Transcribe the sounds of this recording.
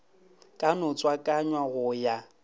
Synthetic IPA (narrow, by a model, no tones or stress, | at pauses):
kʼanʊt͡sʼwakʼaɲwaɣʊja